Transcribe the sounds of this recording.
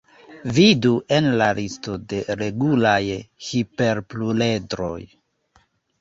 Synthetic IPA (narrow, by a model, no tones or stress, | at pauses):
viduʔe̞nlalisto̞de̞ɾe̞ɡulajhipe̞ɾplule̞dɾo̞̰j